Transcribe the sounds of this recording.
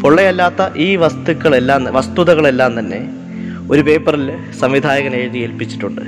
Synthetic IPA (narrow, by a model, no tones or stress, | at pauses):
poɭːɐjɐlːaːt̪ːɐʔiːʋɐst̪ukːɐɭelːaːnʋɐst̪uðɐɣɐɭe̞lːaːnt̪ɐnːe̞̰ | o̞ɾupe̞ːpːɐril | sɐmʋid̪ʱaːjɐɣɐneːɻðijelpit͡ɕːi̥ʈːuɳɖɨ̰